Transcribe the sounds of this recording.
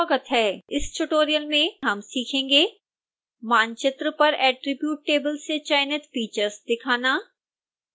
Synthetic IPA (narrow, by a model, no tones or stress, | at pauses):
ɐɡət̪ɦɛːɪsʈuʈoːɾijəlmẽɦɐmsiːkʰẽːŋɡeː | maːnt͡ʃɪt̪ɾəpɐɾɛːʈɾɪbjuːʈːeːbəlset͡ʃaːɪnɪt̪fiːt͡ʃəɾzd̪ɪkʰaːnaː